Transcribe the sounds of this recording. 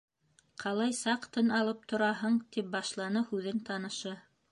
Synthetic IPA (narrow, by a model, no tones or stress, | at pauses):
qʰɑlˠɑjsɑqt̪ɤnɑlˠɤp̚t̪ʰŏɾɑɦɤɴt̪ip̚bɑʃlˠɑnɤhʉðɘnt̪ɑnɤ̆ʃɤ